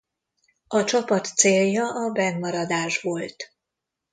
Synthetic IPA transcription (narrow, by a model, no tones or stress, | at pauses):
ɒt͡ʃɒpɒt̪seːljɒʔɒbɛɡmɒɾɒd̪aːʒʋo̞lt̪